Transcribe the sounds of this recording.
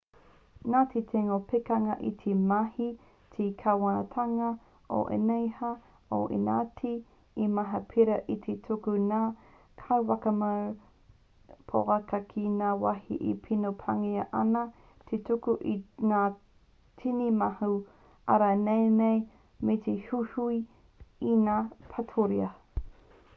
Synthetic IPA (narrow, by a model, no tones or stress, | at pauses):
naːtʰet̪ʰeŋopekɐŋɐʔit̪ʰemɐhi | t̪ʰikʰawanɐtʰaŋɐ | ʔo̰ʔḛnejhɐ | o̰ʔḛna̰ːtʰiː | mɐɦɐpʰiɾɐʔit̪ʰetʰukunaː | kʰɐwwɐkɐma | pʰo̰ɐkɐkʰinaːwahḭʔḭpʰinopʰaŋiɐʔɐnɐ | t̪ʰetukuʔinaː | tʰinimahu | ɐ̰ɾanejnej | met̪ʰehuhui | inaːpʰatʰoɾiɐ